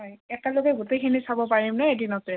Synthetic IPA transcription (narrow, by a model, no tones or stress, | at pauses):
ɦɔjɛtaloɡɛɡutejkʰinisabɔpaɹimnɛedinɔtɹɛ